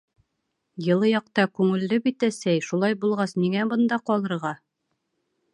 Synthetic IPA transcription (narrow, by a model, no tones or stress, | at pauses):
jɤ̆lˠɤjɒq̚t̪ɑkʉŋɘ̆lːɘbit̪æsæjʃulˠɑjbulˠʁɑsniŋæbɤ̆nd̪ɑqɒlˠɤ̆ɾʁɑ